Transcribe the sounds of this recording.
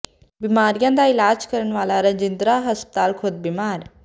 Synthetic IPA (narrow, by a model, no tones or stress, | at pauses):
bimaːɾjaːnd̪aːilaːd͡ʒkɐɾɐɳʋaːlaːɾɐd͡ʒind̪ɾaːɦɐspt̪aːlkʰoːd̪̚bimaːɾ